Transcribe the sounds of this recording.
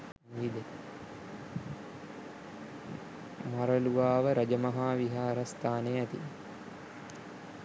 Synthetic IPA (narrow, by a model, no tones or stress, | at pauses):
ʋid̪e | maɾəluʋaːʋəɾɐd͡ʒəmɐɦaːʋiɦaːɾɐst̪ʰaːneæt̪ḭ